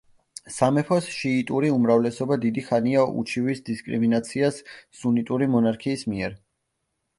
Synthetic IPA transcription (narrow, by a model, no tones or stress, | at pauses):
samɛpʰɔsʃiːt̪ʼuɾiumɾavlɛsɔbad̪id̪iχaniaʔṵt͡ʃʰivisd̪iskʼɾḭminat̪sʰiasːunit̪ʼuɾimɔnaɾkʰiːsmiɛɾ